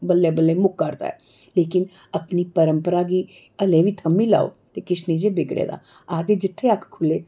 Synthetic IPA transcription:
bəlːeːbəlːeːmʊkːəɾt̪a̰ːɛ̰ː | leːkɪn | əpniːpəɾəmpəɾaːɡiː | əlẽːʋiːt̪ʰəmiːla̰ːo̰ː | t̪eːkɪt͡ʃniːd͡ʒeːbɪɡɽḛːd̪a̰ː | aːd̪eːd͡ʒɪt̪ʰːeəkʰkʰʊleː

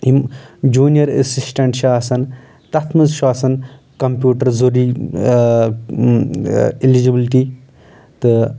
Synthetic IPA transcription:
himd͡ʒuːnijɐɾə̰sisʈɐɳʈʃaːsɐn | t̪ɐt̪ʰmɨzʃaːsɐn | kɐmpʲjuːʈɐɾzoɾi | ilid͡ʒibilʈi | t̪ɨ

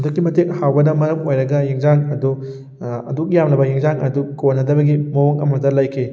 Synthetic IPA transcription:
dukːimɐteŋhawbɐnɐmɐɾɐmojɾɐɡɐjeŋzaŋɐdu | ɐ̰duk̚jamlɐbɐjeŋzaŋɐdukonːɐdɐbɐɡimɐwɐŋɐ̰mɐtɐlajkʰe

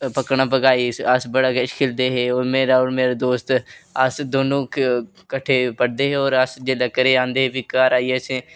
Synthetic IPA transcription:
pəkɳaːpəɡaːisəsbəɽakʃkʰɪld̪eɦeoːɾmeːɾaɔːɾmeːɾad̪oːst̪asd̪oːnõk | kəʈʰepəɽd̪eːɦeɔːɾəsd͡ʒeləkəɾeãːnd̪eɦebikaːɾaːiesẽː

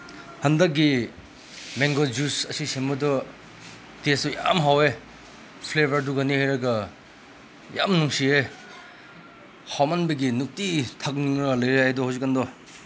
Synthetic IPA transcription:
hɐndɐk̚ɡi | meŋɡod͡ʒusɐsisembɐdɔ | tesɔja̰mɦawe | pʰlebʱɐɾduɡɐnihajɾɐɡɐ | ja̰mnuŋsie | hawmanbɐɡinuk̚titʰɐk̚niŋɾɐlɐjɾeɦajdɔhawzikːɐndɔ

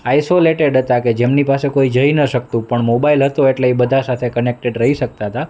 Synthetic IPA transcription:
aisoleʈeɖɦət̪aked͡ʒemnipasekoid͡ʒəinəʃək̚t̪ũpəɳmobailɦət̪oeʈleibəd̪ʱasat̪ʰekənek̚ʈeɖɾəɦiʃək̚t̪aɦət̪a

